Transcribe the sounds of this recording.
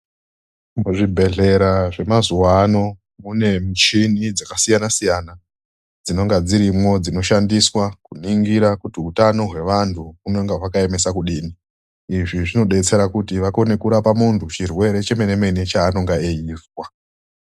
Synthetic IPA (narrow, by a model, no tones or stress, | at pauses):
muʐibʱe̞ɮe̞ɾaʐe̞mazuwano̞ | mune̞mut͡ʃinid͡zakasijanasijana | d͡zino̞ŋɡad͡ziɾimo̞d͡zino̞ʃandiswakuniŋɡiɾakutiutano̞ɦwe̞ʋantʰuuno̞ŋɡaɦwakae̞me̞sakuɗiːni | iʐiʐino̞ɗe̞t͡se̞ɾakutiʋakone̞kuɾapamuntʰut͡ʃirwe̞ɾe̞t͡ʃe̞me̞ne̞me̞net͡ʃaːno̞ŋɡaeiːvwa